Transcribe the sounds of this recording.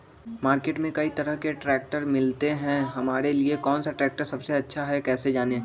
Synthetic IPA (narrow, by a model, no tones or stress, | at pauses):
maːɾkeːʈmẽkɐit̪ɐɾəɦkeʈɾɛːk̚ʈəɾmɪlt̪eɦɛ̃ɦɐmaːɾeliekɔːnsaʈɾɛːk̚ʈəɾsɐbseɐtːʃʰaɦɛkɛːsed͡ʒaːne